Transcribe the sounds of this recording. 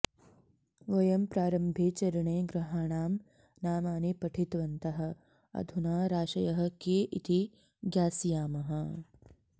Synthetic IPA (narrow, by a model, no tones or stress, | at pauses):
ʋɐjɐmpɾaːɾɐmbʱeːt͡ʃɐɾɐɳeːɡɾɐɦaːɳaːm | naːmaːnipɐʈʰit̪ʋɐnt̪ɐɦɐ̆ | ɐ̰d̪ʱunaːɾaːʃɐjɐɦɐ̆keːʔit̪ʰi | ɡjaːsijaːmɐɦɐ